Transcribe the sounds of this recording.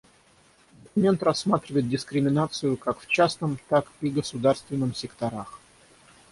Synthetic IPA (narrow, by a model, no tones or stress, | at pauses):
mʲe̞nt̪rɐsːmat̪ɾʲɪvəjɪt̪̚dʲɪskɾʲɪmʲɪnat̪sɨjʊkakft͡ɕasnəmt̪akpʲiɡəsʊd̪arst̪vʲɪnːɨmsʲɪkt̪ɐɾax